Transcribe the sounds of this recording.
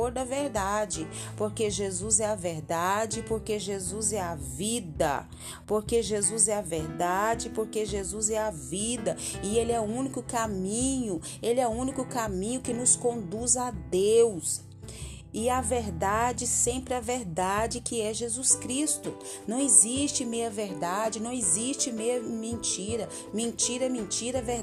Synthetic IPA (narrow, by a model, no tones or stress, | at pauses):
oɾd̪ɐveɾd̪ad͡ʒɪpoɾkeʒezuzɛɐveɾd̪ad͡ʒɪpoɾkeʒezuzɛɐvid̪ɐ̰ | poɾkeʒezuzɛɐveɾd̪ad͡ʒɪpoɾkeʒezuzɛɐvid̪ɐ | ɪelɪɛʊũnikʊkamĩɲʊ | elɪɛʊũnikʊkamĩɲʊkɪnʊskõnd̪uzad̪ews | ɪɐveɾd̪ad͡ʒɪsẽmpɾɪaveɾd̪ad͡ʒɪkɪɛʒezuskɾist̪ʊ | nɐ̃w̃ɪzist͡ʃɪmejɐveɾd̪ad͡ʒɪnɐ̃w̃ɪzist͡ʃɪmejɐmẽnt͡ʃiɾɐ | mẽnt͡ʃiɾɐmẽt͡ʃiɾɐveɾ